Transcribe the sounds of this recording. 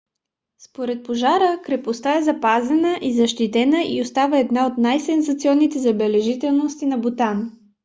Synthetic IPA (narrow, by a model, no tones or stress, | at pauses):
spoɾɛt̪̚poʒaɾəkɾɛpost̪aɛzɐpazɛnəʔizɐʃt̪it̪ɛnəʔḭost̪avəɛd̪naot̪najsɛnzɐt̪siɔnːit̪ɛzɐbɛlɛʒit̪ɛlˠnost̪inɐbot̪an